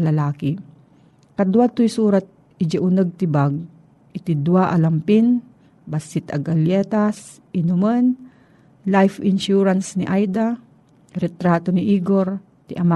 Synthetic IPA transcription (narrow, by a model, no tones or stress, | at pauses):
lɐlaːki | kɐd̪wat̪ːʊjsuːɾat̪̚ | ɪd͡ʒɪʔʊnəɡ̚t̪ɪbaɡ̚ | ʔɪt̪ɪd̪waʔɐlɐmpɪn | bɐsɪt̪ɐ̰ɡɐljɛːt̪as | ʔɪnʊman | lajfɪnʃuːɾansnɪʔajd̪a | ɾɛt̪ɾaːt̪onɪʔiːɡoɾ | t̪ɪʔɐma